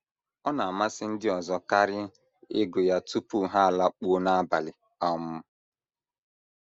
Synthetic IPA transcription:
ɔ˦na˨a˨ma˦sɪ˦n̩˦dɪ˦ɔ˨zɔ˦ka˦ɾɪ˦ | ɪ˦ɡʊ˨ja˦tu˦pu˦ɦa˦a˨la˦k͡pu˦o˦na˦a˦ba˨lɪ˨ | ɔ˦mʊ˦

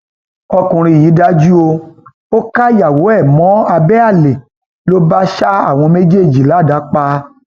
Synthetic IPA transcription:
ɔ˧kũ˨˧ɾ̃ĩ˧˨ji˨˦da˦d͡ʒu˦o˧ | o˦ka˦ja˨wo˨˦ɛ˦˨mɔ̃˨˦a˧bɛ˦a˦˨le˨ | lo˦ba˦ʃa˦a̰˦˨w̃ɔ̃˧me˦d͡ʒe˦˨d͡ʒi˨la˨˦˨da˨˦k͡pa˧

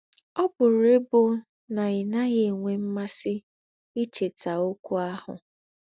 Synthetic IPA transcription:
ɔ˦bʊ˨ɾe˦bʊ˦ | na˨ɪ˨na˦ɣe˦e˨ŋʷe˨m̩˦ma˦sɪ˦ | i˦t͡ʃe˨ta˨o˦kʷu˦a˦hʊ̰˨

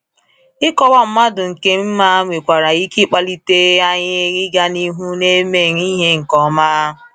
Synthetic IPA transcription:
ɪ˦kɔ˦wa˦m̩˦ma˦dʊ˨ŋ̩˨ke˦m̩˦ma˦ŋʷe˨kʷa˨ɾa˨i˦ki˦k͡pa˦li˦te˦a˦ɲɪ˦ɣɪ˦ɡa˦ni˦ɦu˦ne˦me˦˨ŋ˦i˦ɦe˦ŋ̩˨kɔ˨maː˦˨

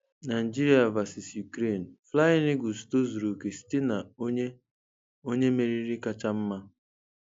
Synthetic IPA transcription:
na˨d͡ʒi˦ɾi˦a˨va˨si˨sju˨kɾe˦˨n̩˨fla˦ɪ˦nɪ˦ɡu˨sto˦zu˨ɾu˨ke˨si̥˦tɪ˦na˨˦ɲe˦ | o˦ɲe˦me˨ɾi˦ɾi˦ka˦t͡ʃa˦m̩˦ma˦

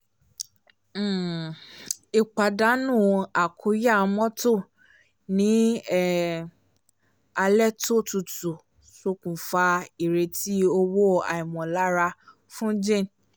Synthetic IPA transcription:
i˨k͡pa˨da˨˦nũ˦˨a˨kʰu˧˦ja˦˨˧mɔ̃˦to˦˨ | nĩ˨˦˨ | a˧lɛ˦to˦˨tu˧tu˨ | so˧kũ˨fa˧i˨ɾe˧ti˦o˧wo˦a̰˨i˨mɔ̃˨la˨˦ɾa˧ | fũ˦d͡ʒẽ˦˨n

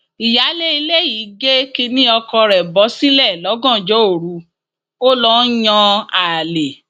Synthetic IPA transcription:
i˨ja˨˦le˦i˧le˦ji˨˦ɡe˦ki˧nĩ˦ɔ˧kɔ˧ɾɛ˨bɔ˨˦si˦lɛ˦˨lɔ˨˦ɡɔ̃˦˨d͡ʒɔ˨˦o˦˨ɾu˨˦ | o˦lɔ˦j̃ɔ̃˧a˨le˨

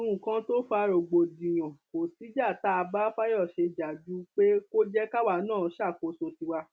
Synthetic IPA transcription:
ɾũ˨kã˧˦to˦fa˧ɾo˨ɡ͡bo˨dĩ˨j̃ɔ̃˨ko˨ti˨˦d͡ʒa˦˨ta˦a˧ba˦fa˦jɔ˦˨ʃe˧d͡ʒa˨d͡ʒu˦k͡pe˦ko˦d͡ʒɛ˦ka˦wa˧˨˦nãː˦˨˦ʃa˦˨ko˧˦so˧ti˧wa˧

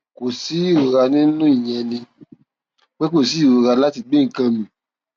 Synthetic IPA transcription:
ko˨si˨˦i˦˨o˨ɾa˧nĩ˦nũ˦i˦˨jɛ̃˧nĩ˧ | k͡pe˦k̬o˦˨si˨˦i˦˨o˧ɾa˧˦la˦ti˧ɡ͡be˦ŋ̩˨kã˧mĩ˨

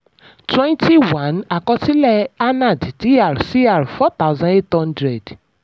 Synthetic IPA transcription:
twɛ̃˦nti˦wã˨˦na˨kɔ̃˧ti˦lɛ˦a˦nã˦˨dti˨˦a˨ɾsi˦a˦˨ɾfɔ˦t̪a˦ʊzã˦ne˦thɔ̃˦ndɾɛ˨d

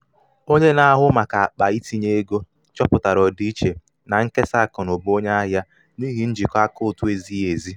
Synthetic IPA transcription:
o˦ɲe˦na˦ɦʊ˦ma˨ka˨a˨k͡pa˨i˦ti˦ɲe˦e˦ɡo˦ | t͡ʃɔ˦pʊ˨ta˨ɾɔ˨di˦i˦t͡ʃe˨ | na˨ŋ̩˦ke˦sa˦˨kɔ˨nʊ˨bo˦ɲe˦a˦ɦja˦ | ni˦ɦi˦n̩˦d͡ʒi˨kɔ˦a˦kʊ˦˨tʊ˦e˨zi˦e˨zi˦

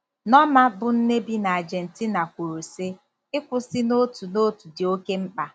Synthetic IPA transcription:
nɔ˦ma˦bʊ˨n̩˦ne˦bi˦na˨a˨d͡ʒe˨n̩˨ti˦na˨kʷu˨ɾu˨se˦ | ɪ˦kʷʊ˨sɪ˦no˦tu˨no˦tu˨dɪ˨o˦ke˦ŋ͡m̩˦k͡pa˦

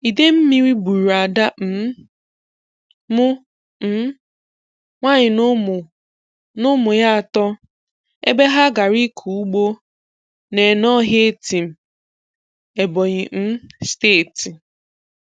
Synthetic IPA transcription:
i˨de˦m̩˦mi˦ɾi˦bu˨ɾu˨a˨da˦m̩˨˦ | mʊ˦ | m̩˦ | ŋʷa˦ɲɪ˨nʊ˦m˨ | nʊ˦mʊ˨ja˦a˨tɔ˦ | e˦be˦ɦa˦ɡa˨ɾi˦kʰu˨u˦ɡ͡bo˦ | ne˨nɔ˦ɦe˦e˦ti˨m̩˨ | e˨bɔ˨ɲɪ˨m̩˦steː˦˨ti˨

